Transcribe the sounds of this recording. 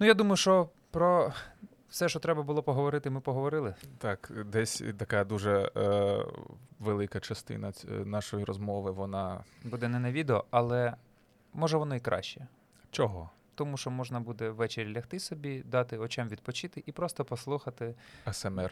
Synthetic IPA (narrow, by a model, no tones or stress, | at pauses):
nujad̪umɐjʊʃt͡ʃɔ | pɾɔ | wsɛʃt͡ʃɔt̪ɾɛbɐbʊlˠɔpɔɦɔʋɔɾɪt̪ɪmɪpɔɦɔʋɔɾɪlˠɪt̪ɑkd̪ɛsʲt̪ɐkɑd̪uʒɛ | ʋelˠɪkɐt͡ʃɐst̪ɪ̰nɐnɑʃɔjiɾɔzmɔʋɪʋɔnɑbud̪ɛnɛnɐʋʲid̪eɔɐlˠɛ | mɔʒɛʋɔnɔikɾʔɑ̰ʃt͡ʃːɛ | t͡ʃɔɦɔ | t̪ɔmuʃt͡ʃɔmɔʒnɐbud̪ɛʋːɛt͡ʃeɾʲlʲɐxt̪ɪsɔbʲid̪ɑt̪ɪɔt͡ʃɛmʋʲid̪̚pɔt͡ʃɪt̪ɪʔipɾɔst̪ɔpɔslˠuxɐt̪ɪɛsɛmɛr